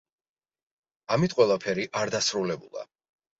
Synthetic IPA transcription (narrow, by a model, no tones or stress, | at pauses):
amit̪̚ʰqʼwɛlˠapʰɛɾiʔaɾd̪asɾulɛbulˠa̰